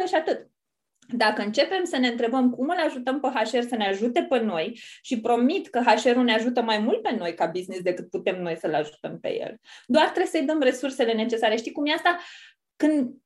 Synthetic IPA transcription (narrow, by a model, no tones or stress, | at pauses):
əʃiat̪ɨt̪ | d̪akəɨnt͡ʃe̞pe̞msəne̞ɨnt̪ɾe̞bəmkumɨlaʒut̪əmpeɦaʃe̞rsəneaʒut̪e̞peno̞jʃipɾo̞mit̪kəɦaʃe̞ɾuneaʒut̪əmajmult̪̚pe̞no̞jkabiznisd̪ekɨt̪̚put̪e̞mno̞jsəlaʒut̪əmpe̞̰jḛld̪oart̪ɾesəjd̪əmre̞surse̞le̞ne̞t͡ʃe̞saɾeʃt̪ijkumjeast̪a | kɨnd̪